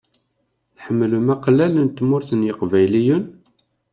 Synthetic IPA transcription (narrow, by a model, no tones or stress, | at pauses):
θħəmːlumæqlælənt̪ːmʊɾθənjəqvæjlijun